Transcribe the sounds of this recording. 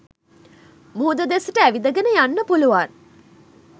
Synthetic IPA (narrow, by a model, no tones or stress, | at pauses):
muɦd̪əd̪esəʈəæʋid̪əɡenəjanːəpuluʋan